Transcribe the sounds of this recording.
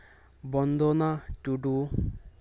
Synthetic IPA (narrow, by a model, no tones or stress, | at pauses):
bɔnd̪ʱɔnatuɖu